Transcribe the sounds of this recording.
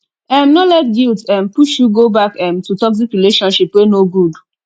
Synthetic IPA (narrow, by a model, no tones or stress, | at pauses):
ɛm̩nɔlɛtɡiltɛm̩puʃjuɡobakɛm̩tutɔkzikɾileʃɔ̃nʃipwenoɡud